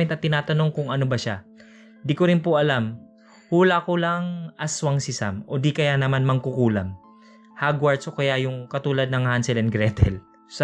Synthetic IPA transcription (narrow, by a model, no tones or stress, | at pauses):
ɛnt̪ɐt̪ːɪnaːt̪ɐno̞ŋkʊŋɐnobɐʃa | d̪ɪkoɾɪnpʊʔɐlam | huːlakolaŋʔɐswaŋsɪsa̰mʔo̞d̪ikɐjanɐmanmɐŋkʊkuːlɐm | haɡwaɹd̪sʔo̞kɐjajʊŋkɐt̪uːlɐd̪̚nɐŋhansɛlɛnɡɾɛt̪ʰɛ̰l | s